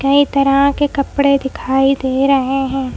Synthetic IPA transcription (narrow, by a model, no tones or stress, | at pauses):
kɐit̪ɐɾəkekɐpɽed̪ɪkʰaːid̪eːɾɐɦeɦɛ̃ː